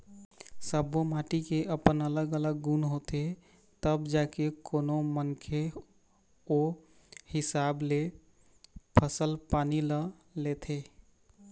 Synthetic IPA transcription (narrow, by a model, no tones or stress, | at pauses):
səbomaʈikeʔəpənələɡələɡːunɦot̪e | t̪əbd͡ʒakekoːnomənkʰe | o | hɪsable | pʰəsəlpanilə | let̪ʰe